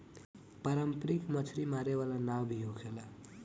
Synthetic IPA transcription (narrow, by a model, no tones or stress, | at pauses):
paɾəmpɾikmʌt͡sʰɾimaɾewalanawbʱijoɡʰela